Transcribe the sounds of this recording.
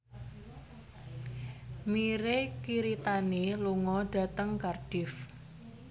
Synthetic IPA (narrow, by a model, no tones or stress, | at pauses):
miɾekiɾit̪aneluŋɔɖ̥a̤t̪əŋkarɖ̥ɪf